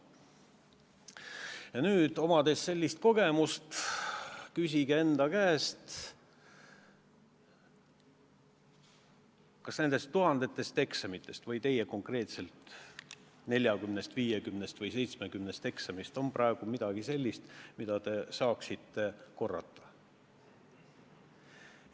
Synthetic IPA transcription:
jɑnyːd̪̥o̞mɑd̪esse̞lʲːist̪̚ko̞ɡ̥e̞must̪ | kys̬ʲiɡee̞nd̪ɑkæːst̪ | kɑsne̞nd̪̥e̞st̪ːuɦɑnd̪̥e̞t̪ːˑe̞st̪e̞ksɑmit̪ːˑe̞st̪vɤjt̪e̞jeko̞ŋkre̞ːt̪se̞lt̪ˑ | ne̞lʲjɑɡymnest̪viːjekymnest̪vɤjse̞jt̪smekymnest̪e̞ksɑmist̪o̞mprɑe̞ɡ̥umid̪̥ɑɡ̥ise̞lʲːist̪mid̪̥ɑt̪e̞sɑːksit̪ːe̞ko̞rːɑ̰t̪ˑːɑ̥

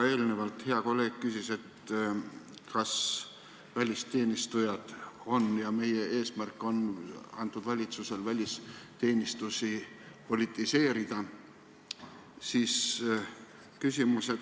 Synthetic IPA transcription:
e̞ːlnevɑlt̪he̞ɑko̞lːe̞ːɡ̥̚kysise̞t̪ | kɑs | vælʲist̪e̞ːnist̪ujɑd̪̥o̞njɑme̞jee̞ːsmærkːˑo̞nɑ̰nt̪ːˑud̪̥vɑlʲit̪suse̞lvælʲist̪e̞ːnist̪usi | po̞lit̪ːˑise̞ːɾid̪̥ɑ | siːs | kysʲimuse̞d̪̥

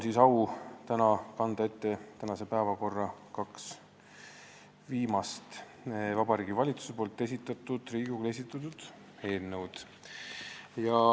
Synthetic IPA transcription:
nsisɑwt̪ænɑkɑnd̪ɑe̞t̪ːe̞t̪ænɑse̞pæːvɑko̞rːɑkɑks | viːmɑst̪ | vɑb̥ɑɾiːɡivɑlʲit̪su̥se̞po̞ːlt̪ːˑe̞sit̪ːˑɑt̪ːˑud̪̥riːɡuke̞s̬ʲit̪ːˑɑt̪ud̪̥ | he̞ːlnːewd̪̥ | jɑ

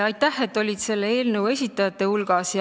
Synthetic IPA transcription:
ɑjt̪ːˑæhe̞t̪ːˑo̞lʲid̪̥se̞lːe̞e̞ːlnəwe̞s̬ʲit̪ːˑɑjɑt̪ːˑe̞hulɡ̥ɑsjɑ

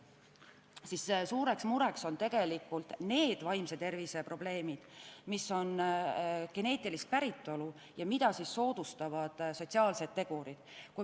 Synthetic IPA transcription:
sissuːɾe̞ksmuɾe̞kso̞nt̪e̞ɡ̥e̞likːˑult̪ne̞ːd̪̥vɑjmset̪e̞rvise̞pro̞ble̞ːmid̪̥misːo̞n | ke̞ne̞ːt̪ːˑilist̪̚pæɾit̪ːˑo̞lu | jɑmid̪̥ɑsisːo̞ːd̪̥ust̪ɑvɑd̪̥so̞t̪ʲsiɑːlse̞d̪̥̚t̪ːe̞ɡ̥uɾid̪̥ku

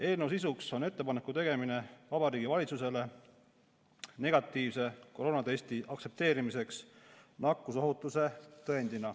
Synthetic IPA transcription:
e̞ːlnews̬is̬ukso̞ne̞t̪ːe̞pɑnekːˑut̪e̞ɡ̥e̞mine̞vɑbɑɾiːɡ̥ivɑlʲit̪sus̬e̞le̞ | ne̞ɡ̥ɑt̪ːˑiːvse̞ko̞ɾo̞ːnɑt̪e̞sʲt̪iʔɑksep̚t̪e̞ːɾimise̞ksnɑkːuso̞ɦut̪ːˑuse̞t̪ɤend̪̥inɑ

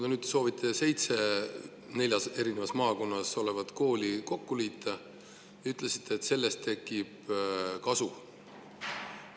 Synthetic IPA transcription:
d̪ɑnyːd̪so̞ːvit̪ʰːˑe̞se̞jt̪se̞ | ne̞lʲjɑse̞ɾine̞vɑsmɑːko̞nːɑso̞le̞vɑt̪ko̞ːlʲiko̞kːuliːt̪ːˑɑ | jɑyt̪ːˑlesi̥t̪ːˑeːt̪se̞lːe̞st̪ʰːe̞kːˑib̥kɑsu

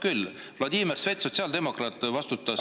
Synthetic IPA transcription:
kyl | vlɑd̪imersvet̪so̞t̪siɑld̪emo̞krɑt̪ːˑvɑst̪ut̪ːˑɑs

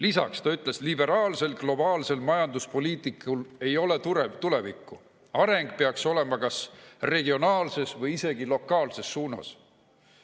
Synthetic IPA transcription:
lisɑ̰kst̪ɑyt̪ˑle̞slibe̞ɾɑːlse̞lɡ̥lo̞bɑːlse̞lmɑjɑnd̪uspo̞liːt̪ˑikːˑule̞jo̞le̞t̪uɾevt̪ule̞vikːˑu | ɑɾe̞ŋɡ̥̚peɑkso̞le̞mɑkɑsre̞ɡio̞nɑːlse̞svɤjise̞ɡilo̞kːˑɑːlse̞sːuːnɑ̰s

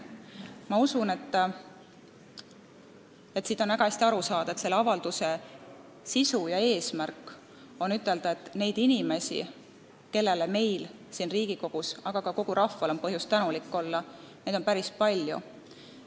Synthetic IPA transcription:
mɑusune̞t̪ː | e̞t̪ːsiːd̪̥o̞næɡ̥ɑhæsʲt̪iɑɾusɑːd̪̥ɑet̪se̞lːeɑvɑld̪̥use̞ | sisujɑe̞ːsmærkːˑ | o̞nyt̪ːˑe̞ld̪ɑet̪ːˑne̞jd̪̥inime̞sʲḭ | ke̞lːe̞leme̞jlsiːnriːɡ̥iko̞ɡ̥usɑɡ̥ɑkɑko̞ɡ̥uɾɑfːɑlompɤɦjust̪ænulikːˑolːɑne̞ːd̪onpæɾispɑlʲjṵ

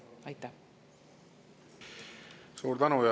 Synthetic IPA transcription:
ajt̪a | soːɾd̪anoja

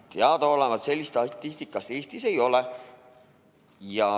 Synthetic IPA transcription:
t̪eɑd̪oolemɑt̪se̞lʲːist̪ɑt̪ˑːist̪ikːˑɑst̪eːst̪ise̞jo̞le | jɑ

